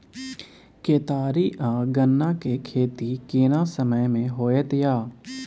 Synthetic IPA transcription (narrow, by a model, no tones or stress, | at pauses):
keːt̪aːɾiʔãɡənːakekʰeːt̪ikeːnasəməjmẽɦoːet̪jaː